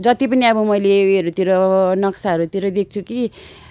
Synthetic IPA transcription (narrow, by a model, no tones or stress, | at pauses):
d͡zʌt̪ipʌniʌbʌmʌjleɾut̪iɾonʌksaɦʌɾut̪iɾʌd̪ek̚ʰt͡sʰuki